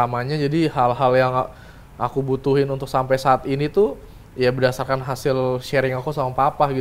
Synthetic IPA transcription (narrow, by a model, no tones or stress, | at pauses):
amaɲad͡ʒadiɦalɦaljaŋ | a̰kubut̪uɦɪnunt̪ʊksampajsaːt̪init̪u | jabədasarkanɦasɪlʃɛɾɪŋakusamapapahɡi